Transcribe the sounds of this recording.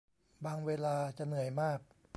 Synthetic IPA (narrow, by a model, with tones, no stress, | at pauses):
baː˧ŋweː˧laː˧t͡ɕa˨nɯ˨˩˦əjmaː˥˩k̚